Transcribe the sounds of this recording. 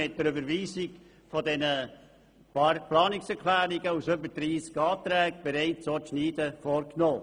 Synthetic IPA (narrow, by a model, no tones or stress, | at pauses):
ɪt̚d̥əɾybəɾviːzɪk | fɔdɛnə | plɑːnɪksɛɾkʰlæːɾiɡəusøbədɾiːskɑːtɾɛːɡ̚b̥ɛɾɛɪtt͡soʃniːdəfoɾknoː